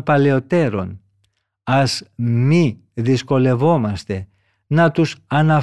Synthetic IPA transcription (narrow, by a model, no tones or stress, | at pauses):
pɐle̞o̞t̪e̞ɾo̞̰n | ɐzmi | ðisko̞le̞vo̞mɐst̪e̞ | nɐt̪usɐnɐ